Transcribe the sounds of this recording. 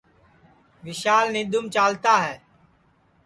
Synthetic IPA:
ʋɪʃaːlnẽːɗ̪ʊmt͡ʃaːlt̪aːɦɛː

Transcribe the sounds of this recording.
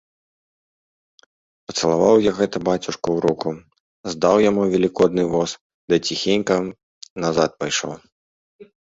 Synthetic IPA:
pɐt̪sɐlˠavawjaɣɛt̪ɐbat͡sʲuʂkuwɾuku | zd̪awjamuvʲɛlʲikɔd̪nɨvɔs | d̪ɐt͡sʲixʲenʲkɐ | naza̰t̪̚pajʂɔ̰w

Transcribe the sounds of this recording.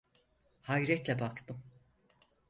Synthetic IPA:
hajɾɛt̪lʲɛbakt̪ʰɯm

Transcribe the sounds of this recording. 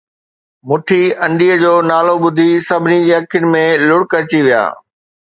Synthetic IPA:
mʊʈʰiɐ̃ɳɖiːəd͡ʑoːnaːloɓʊd̪ʱisɐbʱɪnid͡ʑiːɐkʰjʊnɪ̆mẽlʊɽkɐɾt͡ɕiʋija̰ː

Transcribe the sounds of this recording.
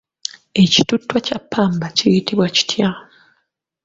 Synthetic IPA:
e̞ci̥tutːwacapːaːmbacijitiβwaci̥tʰja

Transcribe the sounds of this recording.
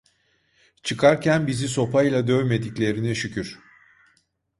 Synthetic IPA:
t͡ʃʰɯkʰaɾcʰænbiziso̞pʰajlˠad̪ø̞jme̞d̪iclʲe̞ɾinɛʃycʰyɾ̥

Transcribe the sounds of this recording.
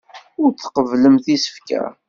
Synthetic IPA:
ʊɾt͡sːqəvləmθisə̥fkæ̰

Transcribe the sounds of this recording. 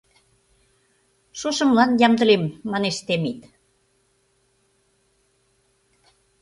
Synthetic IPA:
ʃoʃə̆mlɑnjɑmd̪ə̆lemːɑneʃt̪emit̪

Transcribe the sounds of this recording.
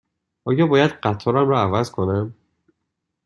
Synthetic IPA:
ʔɒːjɒːbɒːjæd̪ɢæt̪ʰɒɾæmɾɒːævæzkʰonæm

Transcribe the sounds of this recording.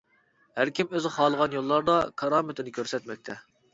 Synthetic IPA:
hæɾkʲʰimøzχɑːlˠəʁɑnjolˠːɑɾd̪ɑkʰɑɾɑːmɪt̪ʰɪnɪkʲʰøɾsɛt̪mɛk̚ʲt̪ʰɛ

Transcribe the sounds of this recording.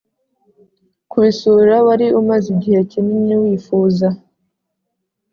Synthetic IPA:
kuβisuɾawaɾiumaziɟihe̞cinimɲiwiːfuːza

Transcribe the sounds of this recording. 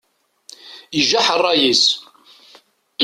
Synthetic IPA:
əʒaħərˤːɑjis

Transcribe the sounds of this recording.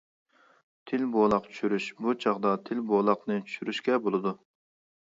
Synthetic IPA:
t̪ʰɪlbolˠɑqt͡ʃʰy̥ʃyɾyʃbut͡ʃʰɑʁd̪ɑt̪ʰɪlbolˠɑqnɨt͡ʃʰy̥ʃyɾyʃkʲɛbolˠɨd̪u

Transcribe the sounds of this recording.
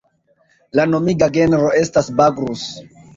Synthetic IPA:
lano̞miɡaɡe̞nɾo̞e̞stasbaɡɾus

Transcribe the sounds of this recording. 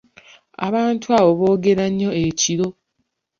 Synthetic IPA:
a̰βaːntʰuaβo̞βo̞ːɡe̞ɾaɲːo̞eciɾo̞

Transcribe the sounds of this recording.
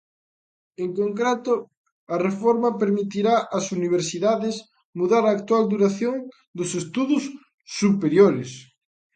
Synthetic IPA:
eŋkoŋkɾet̪ʊ | ɐrefɔɾmɐpeɾmit̪iɾaʔɐsuniβ̞eɾsiðaðɪs | muðaɾaːk̚t̪wald̪uɾaθjoŋ | d̪ʊsest̪uðʊsː | upeɾjoɾɪs

